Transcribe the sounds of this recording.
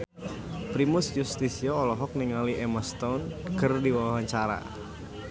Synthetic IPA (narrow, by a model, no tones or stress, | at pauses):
pɾimʊsjust̪isiaɔlɔɦɔk̚niŋaliʔɛmast̪ɔnkɨrdiwawawaɲt͡ʃaɾa̰